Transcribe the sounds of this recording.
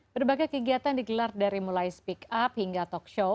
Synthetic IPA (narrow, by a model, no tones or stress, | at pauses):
b̥ərbaɡajkəɡiat̪andiɡəlardaɾimulajspikaphiŋɡat̪ɔkʃo